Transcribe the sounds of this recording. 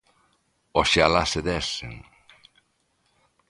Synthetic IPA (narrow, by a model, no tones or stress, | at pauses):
ɔʃealased̪ɛseŋ